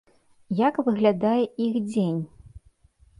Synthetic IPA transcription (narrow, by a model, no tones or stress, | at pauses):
jakvɨɣlʲad̪ajɛixd͡zʲenʲ